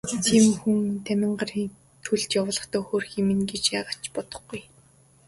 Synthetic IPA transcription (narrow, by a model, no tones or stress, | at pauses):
t̪ʰiːmxuŋt̪ʰæmʲɪ̆ɴɢăr | t̪ʰuɮt͡ɕ̪jawʊːɮə̆χt̪ɔːxoːrximɘ̆nɡet͡ɕjaːʁḁt͡ɕpɔt̪ɞ̆χɡuj